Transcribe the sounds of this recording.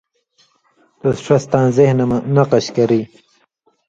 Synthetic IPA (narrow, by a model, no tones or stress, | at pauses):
t̪osʂast̪ãːnzehnnaqaɕkɐɾi